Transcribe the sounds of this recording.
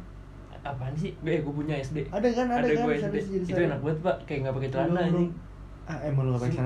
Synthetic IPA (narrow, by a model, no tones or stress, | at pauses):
apanis̬ɪhɡɡuap̬uɲaɛsdeadakanaadadaɡuaɛsdesiit̪ukanak̚buat̪̚paʔkajaŋɡapaket̪əɾanai | aɛmalŋɡapaksan